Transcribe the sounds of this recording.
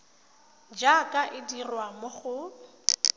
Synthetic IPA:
d͡ʒakʼaʔɪdirwamʊχʊ

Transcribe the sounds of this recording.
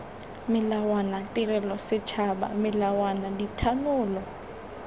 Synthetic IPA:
mɪlawanatʼɪrɛlɔsɪt͡ʃʰaba̰mɪlawanaditʰanʊːlɔ

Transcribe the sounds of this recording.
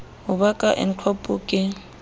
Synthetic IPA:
ɦʊbakʼaʔɪ̰n̩t͡ɬʰwɔpʼʊkʼɪ

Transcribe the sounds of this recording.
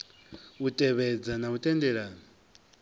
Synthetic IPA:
utʼɛβɛd͡zanautʼɛndɛɺaːnɔ

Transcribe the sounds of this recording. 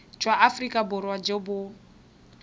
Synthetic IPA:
t͡ʃʰwaʔafrikʼabʊɾwad͡ʒebʊ

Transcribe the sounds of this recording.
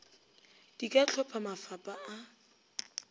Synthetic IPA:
d̥ikʼat͡ɬʰɔpʰamafapʼaa

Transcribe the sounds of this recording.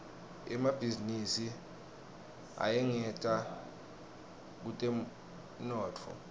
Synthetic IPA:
ɛmab̥ʱizinisi | a̰jɛŋɛtʼa | k̬utʼɛ | nɔːt͡fʰɔ̰

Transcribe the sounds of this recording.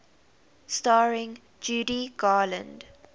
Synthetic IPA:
staːɹɪ̃ŋ | d͡ʒuːdiɡaːlə̃nd

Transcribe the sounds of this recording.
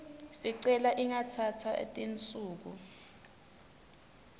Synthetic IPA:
siǀɛlaʔiŋatʰatʰa̰tʼint͡sʼuːk̬u

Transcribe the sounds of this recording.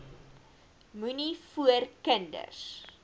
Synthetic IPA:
munifuərkəndə̰rs

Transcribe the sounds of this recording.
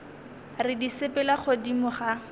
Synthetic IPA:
rɪdisepɛlaχodimʊχa

